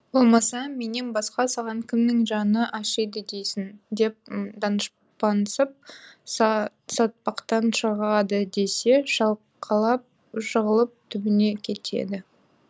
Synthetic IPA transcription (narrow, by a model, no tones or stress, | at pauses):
bo̞lˠmɑsɑme̞ne̞nbɑsqɑsɑʁɑŋkʲʰɪmnɪŋʒɑnəʔɑʃəjd̪əd̪ejsɪnd̪e̞p̚d̪ɑnəʃ | pɑnəsəp̚ | sɑt̪̚pɑqt̪ɑnʃəʁɑd̪əd̪e̞se̞ʃɑlˠ | qʰɑlˠɑp̚ | ʃəʁəlˠəp̚t̪ʰʏbɪne̞kʲʰe̞t̪ʰḛd̪ɪ